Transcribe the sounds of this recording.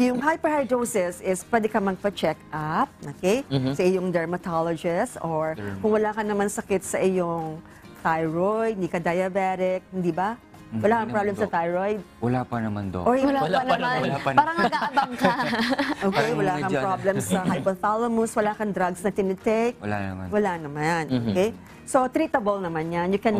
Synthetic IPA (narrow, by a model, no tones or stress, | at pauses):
jʊŋɦajpɛɹhajd̪owsɛsɪspwɛd̪ɛkɐmɐɡ̚pɐt͡ʃɛkʔap̚okejsɐʔɪjoŋd̪ɛɹmɐt̪alod͡ʒɪst̪ʔoɹkʊŋwɐlaːkɐnɐmansɐkɪt̪̚sɐʔɪjoŋ | t̪ajɹojd̪̚d̪iːkɐd̪ɐjɐbɛɾɪk̚hɪnd̪iːbɐ | wɐlaːkɐŋpɾablɛmsɐt̪ajɹojd̪̚wɐlapɐnɐmɐ̰nd̪o̰ʔowɐlaɐnmanɐpaːɾɐŋnɐɡaɐbaŋkɐʔoːkejwɐlaːkɐŋppɾoblɛmsɐhajpɐθalomʊswɐlaːkɐnd̪ɾaɡsnɐt̪ɪnɪt̪ɛjk̚ɐla̰wɐlanɐmanʔokɛj | sot̪ɾiːt̪ɐbɐlnɐmanjanjʊkɛn